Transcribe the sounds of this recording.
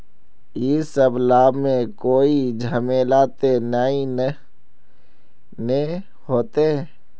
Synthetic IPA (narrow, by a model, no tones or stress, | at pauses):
iːsəblaːbmẽkoːid͡ʒʱəmeːlaːt̪enaːĩ | ne | hoːt̪eɦɛ̃ː